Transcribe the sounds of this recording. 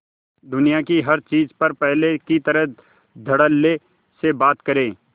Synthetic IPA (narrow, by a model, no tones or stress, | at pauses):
d̪ʊnijakiɦɐɾt͡ʃiːzpɐɾpɛɦlekit̪ɐɾəɦ | d̪ʱɐɽəlːe | sebaːt̪kɐɾẽː